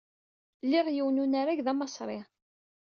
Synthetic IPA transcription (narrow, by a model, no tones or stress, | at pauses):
lːɪʁjiwnunaɾaʝðæmɑsˤɾˤeʁ